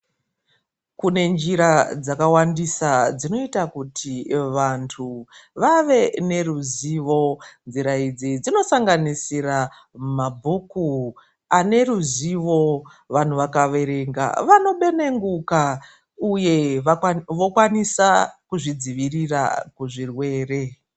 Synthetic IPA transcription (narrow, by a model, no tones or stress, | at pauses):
kune̞nd͡ʒiɾad͡zakawandisad͡zino̞itakutʰiʋantʰuʋaʋe̞ne̞ruziʋo̞nziɾaid͡zid͡zino̞saŋɡanisira | mabʱuku | ane̞ruziʋo̞ | ʋan̤uʋakaʋe̞ɾe̞ŋɡa̰ʋano̞ɓe̞ne̞ŋɡuka | uje̞ | ʋo̞kwanisakuʐid͡ziʋirira̰kuʐirwe̞ːre̞